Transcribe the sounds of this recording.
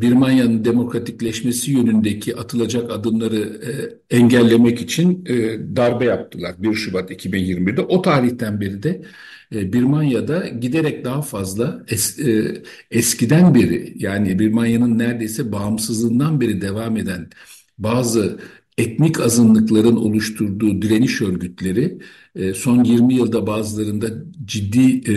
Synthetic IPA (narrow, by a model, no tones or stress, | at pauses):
biɾmanjanɯnd̪e̞mo̞kɾat̪ʰiclʲɛʃme̞sijønynd̪ecʰiʔat̪ʰɯlˠad͡ʒakad̪ɯmlˠaɾɯ | ɛɲɟælʲːe̞mɛcit͡ʃʰinːd̪aɾbajap̚t̪ʰɯlˠaɾbiɾʃubat̪icʰibinjiɾmibiɾd̪ɛʔo̞t̪ʰaːɾiçt̪ʰænbiɾid̪ɛ | biɾmanjad̪aɟid̪eɾɛc̚d̪aɦafazlˠaɛ | ɛscid̪ænbiɾɪ̰jaːnibiɾmanjanɯnːæɾd̪e̞jsɛbaːmsɯzlˠɯːnd̪anbeɾid̪e̞vaːme̞d̪æn | baːzɯ | ɛt̪nicʰazɯnlˠɯklˠaɾɯno̞̰lˠuʃt̪ʰuɾd̪uːd̪iɾe̞niʃø̞ɾɟyt̪lʲe̞ɾɪ | so̞njiɾmijɯlˠd̪abaːzɯlˠaɾɯnd̪ad͡ʒid̪ːiː